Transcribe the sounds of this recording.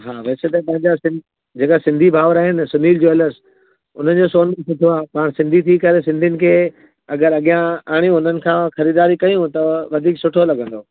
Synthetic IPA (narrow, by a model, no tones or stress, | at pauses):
ɦaːʋɐːset̪ɐpɐ̃ɦɪ̃ɲd͡ʑasɪ̃ | d͡ʑeːkasɪ̃nd̪ʱibʱaːʋəɾaːɦɪnɪ̆sʊniːld͡ʑoːɪləs | ʊ̰n̤ən̆d͡ʑoːsoːnmsʊʈʰoaːpaːɽ̃sɪ̃nd̪ʱit̪ʰikɐɾesɪ̃nd̪ʱijnɪ̆kʰeː | ɐɡəɾɐɠijãaːɽ̃ijũʊn̤ənɪ̆kʰãːxɐɾiːd̪aːɾikɐjũt̪ɐʋɐd̪ʱiːksʊʈʰolɐɠə̃nd̪oː